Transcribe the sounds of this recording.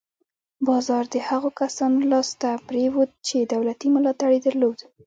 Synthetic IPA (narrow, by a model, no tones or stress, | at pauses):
bɑzɑɾd̪əhaɣokasɑnolɑst̪apɾewud̪̚t͡ʃed̪awlat̪imʊlɑt̪aɽed̪əɾlod̪